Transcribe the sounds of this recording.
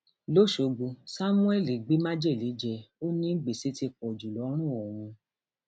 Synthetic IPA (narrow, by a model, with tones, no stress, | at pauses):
lo˦ʃo˧ɡ͡bu˧sa˦mũ˦ɛ˦˨li˨ɡ͡be˨˦mã˦d͡ʒe˦˨li˨˦d͡ʒɛ˧o˦nĩ˦ɡ͡be˨se˨˦ti˧k͡pɔ˨d͡ʒu˨lɔ˨˦ɾ̃ũ˦˨ɔ˨w̃ũ˧